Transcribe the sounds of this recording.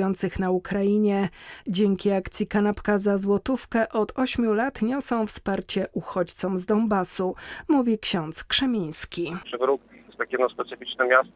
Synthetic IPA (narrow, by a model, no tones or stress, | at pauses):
jɔnt̪sɘxnaukɾajiɲɛd͡ʑɛŋkʲiakt̪sʲjikanapkazazwɔt̪ufkɛʔɔt̪ɔɕmʲjulat̪ɲɔsɔ̃w̃fspaɾt͡ɕɛʔuxɔt͡ɕt̪sɔmzd̪ɔmbasumuvʲikɕɔ̃nt̪skʂɛmʲĩj̃skʲipʂɨvɾuk̚ʲiɛst̪akʲijɛd̪nɔspɛt̪sɘfʲit͡ʂnɛmʲjast̪